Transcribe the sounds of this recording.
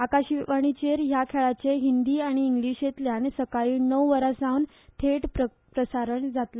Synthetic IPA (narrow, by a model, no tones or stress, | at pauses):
akaɕiʋaɽ̃it͡ɕeɾjakʰeɭat͡seɦind̪iːaɽ̃iːŋɡliɕet̪ljansəkaɭiːnəwʋəɾasãwn | t̪ʰeʈp | pɾəsaɾəɳd͡zat̪la